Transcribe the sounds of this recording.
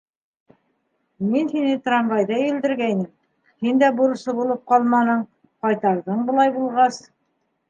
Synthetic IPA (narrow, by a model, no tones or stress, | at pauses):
minhinɘt̪rɑmvɑjðɤjɘ̆ld̪ɘ̆ɾɡæjnɘm | hind̪æbuɾɤ̆sɤbulˠɤp̚qɑlˠmɑnɤɴ | qɑjt̪ɑɾðɤɴbɤ̆lˠɑjbulˠʁɑs